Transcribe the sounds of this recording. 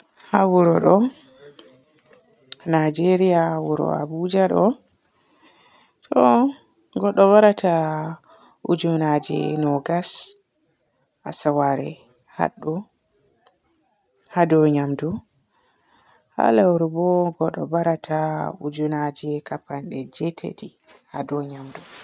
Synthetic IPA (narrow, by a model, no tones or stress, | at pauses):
hawuɾɔɗɔ | nad͡ʒeɾijawuɾɔ̰a̰bud͡ʒaɗɔ | tʰɔ | ɡɔɗːɔβaɾatʰa | ud͡ʒunad͡ʒɛ̰nɔɡas | a̰sawaɾɛ | ha̰ɗːɔ | hadɔɲamdu | ha̰lawuɾbɔɡɔɗɔ̰baɾatʰaud͡ʒunad͡ʒɛkapanɗɛd͡ʒɛtʰḛtihadɔɲamdu